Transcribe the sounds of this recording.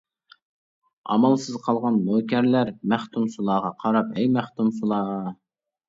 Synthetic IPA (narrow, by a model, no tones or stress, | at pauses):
ɑ̰mɑlˠsɨzqʰɑlˠʁɑnːoːkʲɛɾlæɾmæχt̪ʰumsulˠɑːʁɑqʰɑɾɑpɛjmæχt̪umsulˠɑːʁɑ